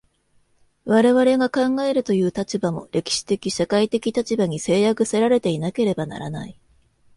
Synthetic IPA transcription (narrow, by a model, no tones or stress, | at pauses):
βaɾe̞βaɾe̞ɡakãŋɡae̞ɾɯ̟t̪o̞jɯ̟ːt̪at͡ɕibamo̞̰ɾe̞kʲi̥ɕi̥t̪e̞kʲiɕakait̪e̞kʲit̪at͡ɕibaɲ̟ise̞ːjakɯ̟se̞ɾaɾe̞t̪e̞inake̞ɾe̞bana̰ɾana̰i